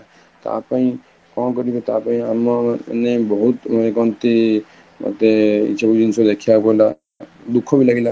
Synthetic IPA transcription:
t̪a̰paĩ | kɔ̃kɔɾibet̪apaĩamɔnebɔɦut̪manekɔnt̪i | ma̰t̪eḭtʃʰabud͡ʒinsɔd̪ekʰiakɔɾla | d̪ukʰːɔbilaɡila

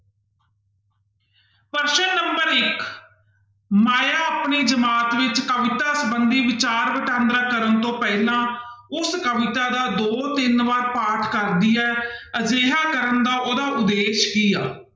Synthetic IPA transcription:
pəɾʃənːəmbəɾɪk | maːjaːapniːd͡ʒəmaːt̪ʋɪt͡ʃkəʋɪt̪aːsəbənd̪iːʋɪt͡ʃaːɾʋəʈãːnd̪ɾaːkəɾənt̪õːpɛːlãː | ʊskəʋɪt̪aːd̪aːd̪oːt̪ɪnʋaːɾpaːʈʰkəɾd̪iːɛːəd͡ʒeːɦaːkəɾənd̪aːʔoːd̪aːʊd̪ːeːʃkiːaː

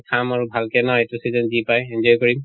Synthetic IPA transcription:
kʰamaɹubʱalkɛnɔjɛtusizɔnzipajɛnd͡ʒɔjkɔɹim

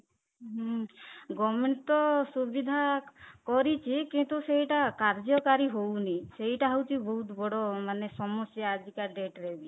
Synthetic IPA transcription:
ɦ | ɡɔmeɳt̪ɔsubid̪ʱakɔɾit͡ʃʰikint̪useɦjʈakaɾd͡ʒɔkaɾiɦowniseɦiʈaɦawt͡ʃʰibɔɦut̪bɔɽɔmanesɔmɔsjaːd͡ʒikaɖeʈɾebi

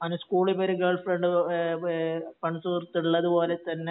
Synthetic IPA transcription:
ɐnɐskuːɭibɐɾiɡɐɭfrɐɳɖɨ | pɐɳsuːrt̪ːiɭːɐðupo̞ːlet̪ɐnːe

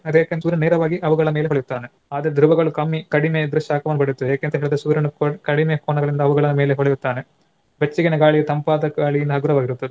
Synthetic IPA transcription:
ɐd̪eːknsuːɾɐneːɾɐʋaːɡiʔɐʋuɡɐɭɐmeːleɦoɭejut̪ːaːne | aːd̪ɐɾd̪ɾuʋɐɡɐɭukɐmːikɐɽimed̪ɾuʂaːkɐʋɐnːupɐɽit̪ːuaːkent̪ɐɦeɭid̪esuːɾɐnukoʈkɐɽimejkoːnɐɡɐɭind̪ɐʋuɡɐɭɐnumeːleɦɔɭɛjut̪ːaːne | bet͡ʃːiɡɐneɡaːɭiɡet̪ɐmpaːd̪ɐɡaːɭijind̪ɐɦɐɡuɾɐʋaːɡiɾut̪ːɐd̪e

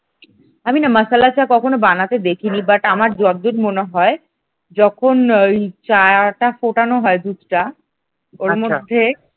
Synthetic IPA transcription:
aminaməsalat͡ɕakɔkʰonobanat̪ed̪ekʰinibaʈamaɾd͡ʑɔd̪ːuɾmoneɦɔe | d͡ʑɔkʰonejt͡ɕaʈafoʈanoɦɔed̪ud̪ʈa | oɾmod̪ʱːe

